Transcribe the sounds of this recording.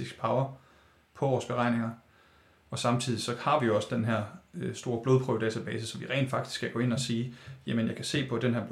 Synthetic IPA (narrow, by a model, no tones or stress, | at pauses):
isɡ̥̚pʰɑ̈ʊɐ | pʰɒ̽ʋɒːsb̥e̝ʁɑ̈ɪne̝ŋɐ | ɒ̽sɑ̈mt͡sʰið̰ˠisɒ̽hɑ̈ʋijo̝ɒ̽sə̥d̥enɦeɐ̰sd̥o̝ːɐb̥loð̞ˠpʰʁuʊd̥ɛ̰ːt͡sʰæb̥ɛːsəsɒ̽mʋiʁɛ̰ːnd̥fɑ̈ɡ̥d̥isɡ̥kʰæɡ̥ɔ̽ːe̝nɒ̽siːjæmənjɑɪkʰæse̝̰ːpʰɒ̽d̥enɦæɐ̰b